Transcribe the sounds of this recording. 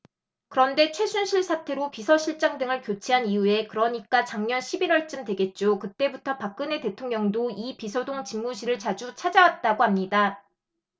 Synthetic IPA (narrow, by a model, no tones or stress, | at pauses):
kɯɾʌnde̞t͡ɕʰwe̞sʰunɕʰiɭsʰatʰe̞ɾopisʰʌɕʰiɭt͡ɕ͈aŋdɯŋɯɭkjot͡ɕʰiɦaniue̞kɯɾʌɲik͈at͡ɕaŋɲʌnɕʰibiɾwʌɭt͡ɕ͈ɯmdwe̞ɡe̞t̚t͡ɕ͈okɯt͈e̞butʰʌpak̚k͈ɯne̞te̞tʰoŋɲʌŋdoipisʰʌdoŋt͡ɕimmuɕʰiɾɯɭt͡ɕad͡ʑut͡ɕʰad͡ʑawat̚t͈aɡoɦamɲida